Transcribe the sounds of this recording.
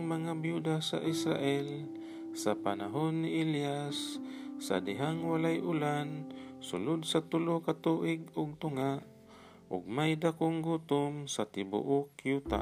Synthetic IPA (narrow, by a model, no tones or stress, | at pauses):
maŋabjud̪asa̰ʔɪsɾa̰ʔɛl | sapanaɦonːɪʔɪljasːa̰dɪɦaŋwalajʔʊlansʊlʊd̪sat̪ʊlokat̪uʔɪɡʊɡ̚t̪ʊŋaʔ | ʔʊ̰ɡ̚majd̪akʊŋɡut̪ʊmsat̪ɪbʊ̰ʔʊkjut̪a̰